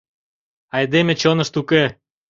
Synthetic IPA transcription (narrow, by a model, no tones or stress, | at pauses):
ɑjd̪emʲet͡ɕonə̆ʃt̪uke